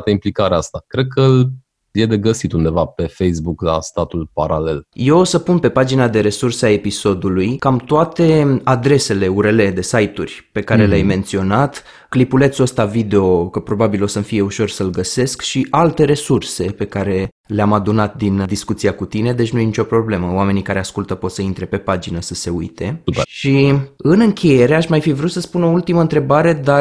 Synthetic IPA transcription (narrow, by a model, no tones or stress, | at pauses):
t̪əimplikaɾeast̪akɾe̞d̪̚kʰəl | je̞d̪e̞ɡəsit̪und̪e̞vape̞fejsbukla̰st̪at̪ulpaɾale̞lje̞wosəpunpe̞pad͡ʒinad̪e̞ɾe̞sursae̞piso̞d̪ulujkamt̪oat̪e̞ad̪ɾe̞se̞le̞uɾe̞le̞d̪e̞sajt̪urʲpe̞kaɾe̞leajme̞nt̪sio̞nat̪ | klipule̞t̪sost̪avid̪e̞o̞kəpɾo̞babilo̞səmfije̞uʃo̞rsəlɡəse̞skʃiʔalt̪e̞ɾe̞surse̞pe̞kaɾe̞ | leamad̪unat̪̚d̪ind̪iskut̪siakut̪ine̞d̪e̞t͡ʃnujenit͡ʃʲo̞pɾo̞ble̞məoame̞nikaɾe̞askult̪əpo̞t̪səint̪ɾe̞pe̞pad͡ʒinəsəse̞ṵjt̪ʰe̞ʃiɨnɨŋkʲʰeje̞ɾe̞aʃmajfivɾut̪səspuno̞ult̪iməɨnt̪ɾe̞baɾe̞d̪a